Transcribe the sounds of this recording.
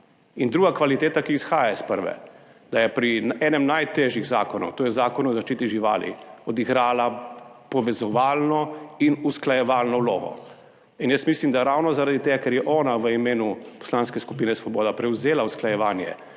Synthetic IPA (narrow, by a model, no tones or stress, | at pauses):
ind̪ɾuːɡakʋalit̪eːt̪akiːsxaːjaispəɾʋɛ̰ | d̪ajɛpɾiɛːnɛmnajt̪eʒjiɣzaːkɔnṵt̪oːjɛzaːkɔnuzaʃt͡ʃiːt̪iʒiʋa̰ːlḭɔd̪iɡɾaːlapɔʋɛzɔʋaːlnɔinusklajɛʋaːlnɔwlo̰ːɡɔ̰ | injəsmislimd̪aɾawnɔzaɾad̪it̪eːɡakɛɾjɛʔɔːnaʋəimeːnupɔ̥slanskɛskupiːnɛsʋɔboːd̪apɾɛwzeːlausklajɛʋaːnjɛ̰